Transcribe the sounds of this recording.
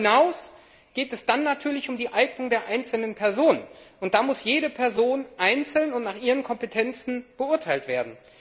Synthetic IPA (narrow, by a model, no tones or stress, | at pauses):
naʊs | ɡ̥eːtɛsd̥anːatʰyːɐlɪçʊmdiːʔaɪɡnʊŋdeːɐʔaɪnt͡sl̩nənpʰɛɐzoːnənʔʊnt̚d̥aːmʊsjeːɾəpʰɛɐzoːnʔaɪnt͡sl̩nʊntnaːχʔiːʁənkʰɔmpetʰɛnt͡sn̩b̥əʊɐtʰaɪltv̥eːɐdn̩